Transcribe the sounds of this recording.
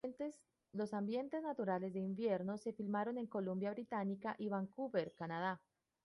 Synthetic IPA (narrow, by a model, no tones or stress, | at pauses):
es | lo̞sambje̞nt̪eznat̪uɾale̞zd̪e̞imbje̞ɾnose̞filmaɾo̞ne̞ŋko̞lumbjaβɾit̪anikaʔiβaŋkuβeɾkanað̞a